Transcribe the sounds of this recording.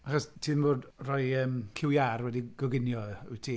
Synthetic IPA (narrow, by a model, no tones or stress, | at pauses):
aχɔstʰiːnvoːdrɔjəːmkʰɪwjarwɛdiɡ̥ɔɡɪnjɔəwtʰiː